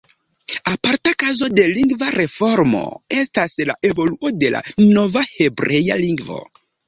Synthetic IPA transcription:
apaɾtakazo̞de̞liŋɡvaɾe̞fo̞ɾmo̞̰e̞stasla̰ʔe̞vo̞luo̞de̞la̰no̞vahe̞bɾeja̰liŋɡvo̞̰

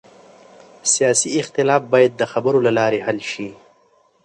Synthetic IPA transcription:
sijɑːsiɪxt̪ɪlɑːfbɑjad̪̚ːəxabəɾolalɑːɾehalʃi

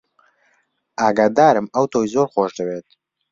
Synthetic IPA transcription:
aːɡaːd̪aːɾɨmɐwt̪ʰoːjzoːɾxoːʃd̪ɨweːt̪̚

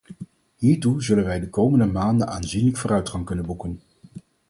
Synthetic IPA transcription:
ɦiːɹtuzɵlənʋɛjdəkowməndəmaːndənaːnzinləkfoːrœɥtχɑŋkɵnənbukən

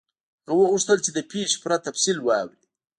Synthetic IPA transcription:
ɣwouʂt̪əlt͡ʃed̪əpeʃpɾat̪afsilwɑwɾi

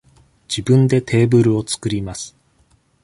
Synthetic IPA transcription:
d͡ʑ̥ibɯ̟̃nd̪e̞t̪ʰe̞ːbɯ̟ɾɯ̟o̞t͡sɨ̥kɯɾʲimasɨ̥

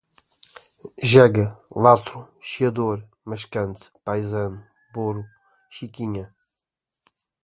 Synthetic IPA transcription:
ʒɛɡɐlˠat̪ɾuʃiɐd̪oɾ | mɐʃkɐ̃nt̪pajzɐ̃n | boɾu | ʃikiɲɐ

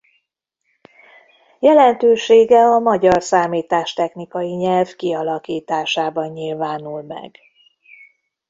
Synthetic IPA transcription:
jɛlɛnt̪øːʃeːɡɛɒmɒɟɒrsaːmiːt̪aːʃt̪ɛxnikɒjiɲɛlvkiɒlɒkiːt̪aːʃaːbɒɲɲilvaːnulmɛ̰ɡ

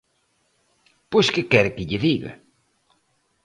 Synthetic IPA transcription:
pojʃkɪkɛɾkɪʎɪviβɪ̰

